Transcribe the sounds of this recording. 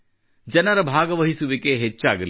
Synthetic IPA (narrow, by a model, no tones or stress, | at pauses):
d͡ʒɐnɐɾɐbʱaːɡɐʋɐɦisuʋikeɦet͡ʃːaːɡɐl